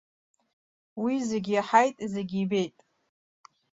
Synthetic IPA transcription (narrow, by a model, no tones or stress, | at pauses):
wizeɡʲijaħajtʼizeɡʲiːbe̞jtʼ